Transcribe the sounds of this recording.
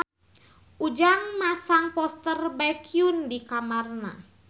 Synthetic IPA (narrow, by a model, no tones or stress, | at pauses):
ʔud͡ʒaŋmasaŋpɔst̪ərbakʰiundikamarna̰